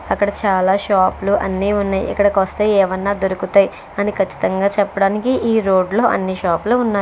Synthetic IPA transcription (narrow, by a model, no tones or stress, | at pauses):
ɐkːɐɽɐt͡ʃaːlaːʃaːpluʔɐ̰nːiːunːaːjʔɐ̰kːɐɽɐkɐst̪eːɛːʋɐnːaːd̪oɾukut̪aːj | ɐnikʰɐt͡ʃːi̥t̪ɐŋɡaːt͡ʃɛpːɐɽaːnikiʔiːɾo̞ːɖlo̞ːʔɐ̰nːiʃaːpluːunːaː